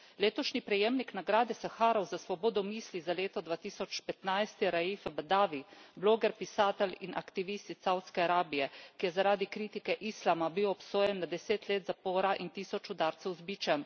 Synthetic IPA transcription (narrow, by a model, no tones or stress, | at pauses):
leːt̪ɔʃnipɾɛjeːmniknaɡɾaːd̪ɛsaxaːɾɔwzasʋɔbɔːd̪ɔmiːslizaleːt̪ɔd̪ʋaːt̪iːsɔt͡ʃpɛt̪najst̪ɛɾajifbad̪aːʋibloːɡɛɾpisaːt̪ɛlinʔakt̪iʋiːst̪isawt̪skɛaɾaːbijɛkijɛzaɾaːd̪ikɾiːt̪ikɛʔislamabiwɔpsoːjɛnːad̪ɛseːt̪leːt̪zapoːɾaʔint̪iːsɔt͡ʃud̪aɾt̪sɛwzbiːt͡ʃan